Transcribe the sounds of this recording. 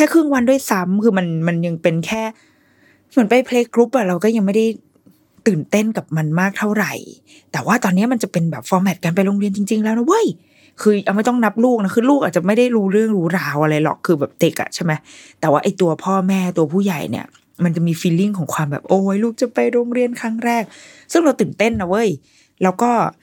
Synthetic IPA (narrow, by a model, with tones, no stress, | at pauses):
kʰɛː˥˩kʰɾɯ˥˩əŋwa˧ndu˥˩ə˨jsa˦˥mkʰɯː˧ma˧nma˧nja˧ŋpe˧nkʰɛː˥˩ | mɯ˩˦npa˧jpʰleː˧kɾu˦˥p̚ʔa˨˩ɾa˧wkɔː˥˩ja˧ŋma˥˩jda˥˩j | t̪ɯː˨˩nt̪e˥˩nka˨˩p̚ma˧nmaː˥˩k̚t̪ʰa˥˩wɾa˨˩j | t̪ɛː˨˩waː˥˩t̪ɔː˧nːi˦˥ɐ˨ma˧nt͡ɕa˨˩pe˧nbɛː˨˩p̚fɔː˧mɛ˨˩t̪̚ka˧np̬a˧jɾoː˧ŋɾi˧ənt͡ɕi˧ŋt͡ɕi˧ŋlɛː˦˥na˦˥wɤ˦˥˩j | kʰɯː˧ʔa˧wma˥˩jt̪ɔ˥˩ŋna˦˥p̚luː˥˩k̚na˦˥kʰɯː˧luː˥˩k̚ʔaː˨˩t̚t͡ɕa˨˩ma˥˩jda˥˩jɾuː˦˥ɾɯ˥˩əŋɾuː˦˥ɾaː˧wʔa˧ɾa˧jlɔ̰˨˩kʰːɯː˧bɛː˨˩p̚de˦k̚ʔa̰˨˩t͡ɕʰa˥˩jma˦˥jt̪ɛː˨˩waː˥˩ʔa˧jt̪u˧ɐpʰɔː˥˩mɛː˥˩t̪u˧ɐpʰuː˥˩ja̰˨˩jnḭ˦˥ɐ | ma˧nt͡ɕa˨˩miː˧fiː˧lːi˥˩ŋkʰɔː˩˦ŋkʰwaː˧mbɛ̰ː˨˩p̚ʔoː˧˩wjluː˥˩k̚t͡ɕa˨˩pa˧jɾoː˧ŋɾi˧ənkʰaː˥˩ŋɾɛː˥˩k̚sɯ˥˩ŋɾa˧wt̪ɯː˨˩nt̪e˥˩nːa˦˩wɤ˦˧˥j | lɛː˦˥wkɔː˥˩